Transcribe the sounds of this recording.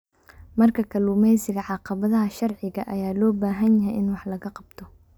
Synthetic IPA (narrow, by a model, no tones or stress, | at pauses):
mɐrkʰɐkʰɐluːmɛjsɪɣɐʕɑqɑβɐðɐɦɐʃɑrʕɪɣɐʔɐjaːlɔːbaːɦɐnjɐɦɛjɪnwɑħlɐɣɐqɑb̚t̪ʰɔ